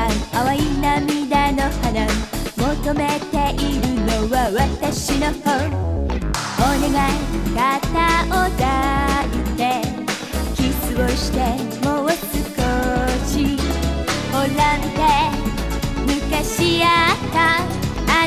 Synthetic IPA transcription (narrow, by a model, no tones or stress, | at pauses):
aaβainamid̪anohanamot̪omet̪e̞ʔiɾɯnoβaβat̪aɕinoho | oneɡakat̪aʔod̪ait̪ːe | kʲisɨβoɕi̥t̪e | moat͡sɨkoɕi | holamt̪e | mikaɕiat̪a | a